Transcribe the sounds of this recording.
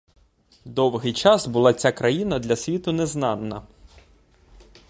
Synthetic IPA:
d̪ɔwɦɪjt͡ʃɑsbʊlˠɑt͡sʲakɾɐjinɐd̪lʲɐsʲʋʲit̪ʊnɛznɑnːɐ̰

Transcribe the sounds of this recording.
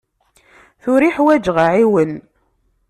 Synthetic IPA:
θʊɾiħwæd͡ʒʁəʕiwən

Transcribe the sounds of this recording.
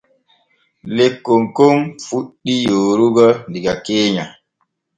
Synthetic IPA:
lekːoŋkomfuɗːijoːɾuɡɔndiɡakeːɲa

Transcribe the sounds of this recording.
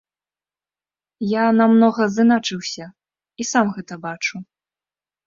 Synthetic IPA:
janamnɔɣɐzɨnat͡ʂɨwsʲɐ | isamɣɛt̪ɐbat͡ʂu

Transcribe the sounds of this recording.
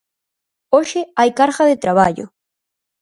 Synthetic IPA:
oʃɪajkaɾɣaðɪt̪ɾaβ̞aʎʊ̰

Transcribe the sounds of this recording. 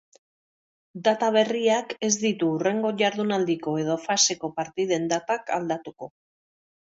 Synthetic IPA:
d̪at̪aβ̞e̞riake̞zd̪it̪uːre̞ŋɡo̞ʝaɾðunald̪iko̞e̞ðo̞fase̞ko̞paɾt̪ið̞e̞nd̪at̪aka̰ld̪at̪uko̞

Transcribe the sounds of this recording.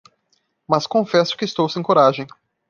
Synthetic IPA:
mɐskõfɛsʊ̥kɪst̪owsẽj̃koɾaʒẽj̃

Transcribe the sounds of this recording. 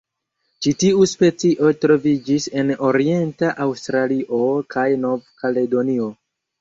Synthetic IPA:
t͡ʃitiuspe̞t͡siʔo̞tɾo̞vid͡ʒise̞no̞ɾie̞ntaʔawstɾaliʔo̞kʰajno̞vkale̞do̞nio̞

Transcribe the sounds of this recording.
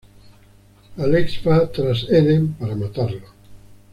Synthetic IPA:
aleksfat̪ɾaseðempaɾamat̪aɾlo

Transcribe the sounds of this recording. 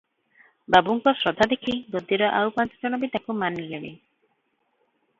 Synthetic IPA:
babuŋkɔsɾɔd̪ʱad̪ekʰibod̪iɾɔʔawpant͡ʃɔ̥d͡ʒɔnɔbid̪akumanleɽḭ

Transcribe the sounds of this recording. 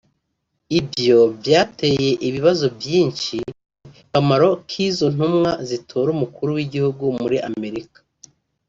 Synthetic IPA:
ibjo̞vjaːtʰe̞ːje̞ʔiβiβazo̞vjiːɲʃi | kamaɾo̞kʰiːzo̞n̥umŋazitʰoːɾumukuɾuwiɟihuɡumuɾiʔamme̞ɾikḁ

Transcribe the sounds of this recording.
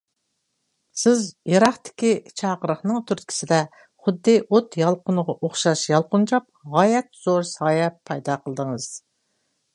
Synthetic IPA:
sɪzjɑɾɑχt̪ɪ̥kʲit͡ʃʰɑːʁəɾəχnɨŋt̪ʰyɾt̪kʲʰi̥sɪd̪ɛ | χʊd̪ːɪʔot̪jɑlˠqʊnəʁɑʔoχʃɑʃjɑlˠqʊnt͡ʃʰɑp̚ʁɑːjɛt̪z̥oɾsɑːjɛpʰːɑjd̪ɑqʰəlˠd̪əŋəz̥

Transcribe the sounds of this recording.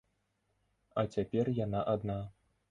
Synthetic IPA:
ɐt͡sʲapʲɛrjanaʔad̪na

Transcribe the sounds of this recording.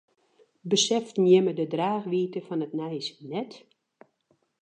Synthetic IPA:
bəsɛftnjɪmədədraːxʋiːtəfɔnətnɛjsnɛt

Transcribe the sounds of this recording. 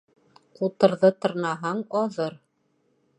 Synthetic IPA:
qut̪ɤ̆ɾðɤt̪ɤ̆ɾnɑɦɑɴɒðɤɾ

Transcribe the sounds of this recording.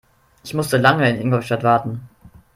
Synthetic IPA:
ʔɪçmʊstəlaŋəɪnʔɪŋɡɔʃtatv̥aɐtn̩

